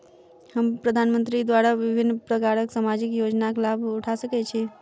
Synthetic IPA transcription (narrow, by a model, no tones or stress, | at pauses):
həmpɾəd̪ʱanmənt̪ɾid̪waɾaʋɪbʱɪnːpɾəkaɾəksamad͡ʒɪkjod͡ʒnaklabʊʈʰasəkɛt͡ʃʰi